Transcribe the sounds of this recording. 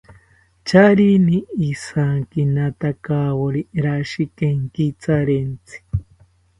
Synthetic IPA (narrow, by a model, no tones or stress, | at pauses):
t͡ʃaɾiniːsaŋkinat̪akawoɾiɾaʃikeŋkit͡saɾent͡sʰi̥